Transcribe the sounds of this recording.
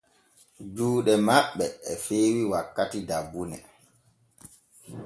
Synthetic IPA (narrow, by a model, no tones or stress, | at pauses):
d͡ʒuːɗɛmaɓːɛːfeːwiwakːatidabːunɛ